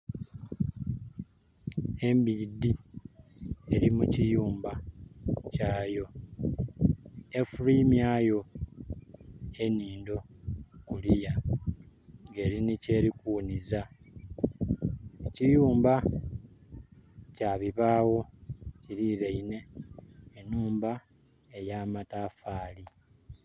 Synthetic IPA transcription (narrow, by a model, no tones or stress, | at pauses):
e̞mbidːi | eɾimucijuːmba | caːjo̞ | efuɾimjaːjo̞ | e̞niːndo̞kulija | ŋɡe̞ːɾinice̞ːɾikuniza | ecijuːmba | caːβiβaːwo̞ciɾiɾeine̞ː | nuːmba | ejaːmatafaːli